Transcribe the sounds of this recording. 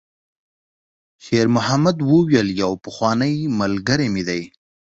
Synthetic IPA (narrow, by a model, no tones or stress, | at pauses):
ʃeɾmʊhamad̪wəwjəljawpəxwɑnəjmalɡəɾemid̪aj